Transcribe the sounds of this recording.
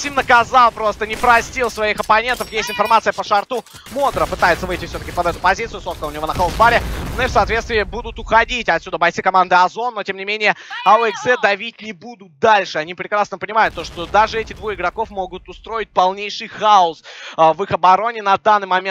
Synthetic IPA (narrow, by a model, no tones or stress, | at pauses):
sʲimnəkɐzalˠpɾo̞st̪ənʲɪpɾɐsʲtʲilˠsvɐixɐpɐnʲe̞nt̪əfjestʲɪnfɐrmat̪sɨjəpəʂɐrt̪u | mo̞d̪ɾəpɨt̪ajɪt̪səvɨjtʲɪfsʲot̪əkʲɪpɐd̪ɛt̪ʊpɐzʲit̪sɨjʊsot̪̚kəlˠʊnʲɪv̞nəxolˠsbaɾʲɪnoifsaːt̪vʲet̪st̪vʲɪːɪbud̪ʊt̪ʊxɐdʲitʲɐt̪sʲud̪əbɐjt̪sɨkɐmand̪ɨɐzo̞nːo̞tʲe̞mnʲɪmʲenʲɪjəɐɛksɛd̪ɐvʲitʲnʲɪbud̪ʊt̪̚d̪alʲʂɨɐnʲipɾʲɪkɾasnəpənʲɪmajʊt̪ːo̞ʂt̪od̪aʐɨɛtʲɪd̪vuɪɡɾɐko̞fmo̞ɡʊt̪ʊst̪ɾo̞ɪt̚ʲpɐlˠnʲejʂɨjxaʊsvɨxɐbɐɾo̞nʲɪnɐd̪anːɨjmɐmʲe